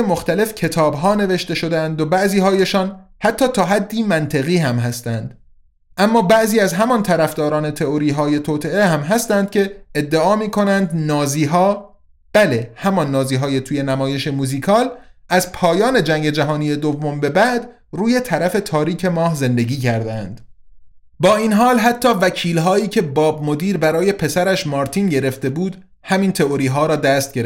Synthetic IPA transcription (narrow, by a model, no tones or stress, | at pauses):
emoxt̪æle̞fcʰe̞t̪ʰɒːbɦɒːne̞ve̞ʃt̪e̞ʃo̞d̪æænd̪obæʔziːɦɒːje̞ʃɒːnhæt̪ʰːɒːt̪ʰɒːɦæd̪ːiːmænt̪ʰe̞ɣiːhæmɦæst̪ænd̪̥ | ʔæmːɒːbæʔziːæzɦæmɒnt̪ʰæɾæfd̪ɒːɾɒːne̞t̪ʰe̞oɾiːɦɒːje̞t̪ʰoːt̪ʰe̞ehæmɦæst̪ænd̪̥̚cʲʰe̞ed̪ːeʔɒːmiːkʰo̞nænd̪nɒːziːɦɒː | b̥æle̞hæmɒnːɒːziːɦɒːjet̪ʰuːje̞næmɒːje̞ʃe̞muːziːkʰɒːlʔæzpʰɒːjɒːne̞d͡ʒæŋɟe̞d͡ʒæɦɒːnije̞d̪ovːo̞mbe̞bæʔd̪ | ruːje̞t̪ʰæɾæfe̞t̪ʰɒːɾiːcʰe̞mɒːhze̞nd̪e̞ɟiːcʰæɾd̪ænd̪̥ | bɒːiːnɦɒːlɦæt̪ʰːɒːvæcʰiːlɦɒːiːcʰe̞bɒːbmod̪iːɾbæɾɒːje̞pʰe̞sæɾæʃmɒːɾt̪ʰinɟe̞ɾe̞ft̪e̞buːd̪ | hæmiːnt̪ʰe̞oɾiːɦɒːɾɒːd̪æst̪̚ɡ̥eɾe